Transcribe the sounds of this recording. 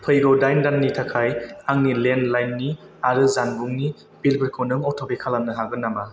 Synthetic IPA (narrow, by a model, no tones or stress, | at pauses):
pʰɯjɡɔdajndanːitʰakʰajaŋnilenlajnːi | aɾɯzanbuŋni | b̥ilbiɾkʰɔnɯŋɔtʰɔbekʰalanːɯɦaɡɯnːama